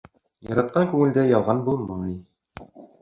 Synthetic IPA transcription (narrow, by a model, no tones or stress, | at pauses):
jɑ̰ɾɑt̪̚qɑŋkʉŋɘ̆ld̪æjɑlˠʁɑnbumɤɴi